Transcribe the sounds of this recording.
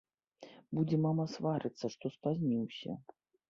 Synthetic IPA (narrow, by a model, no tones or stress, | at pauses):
bud͡zʲɛmamɐsvaɾɨt̪sːɐʂt̪ɔspazʲmʲiwsʲɐ̰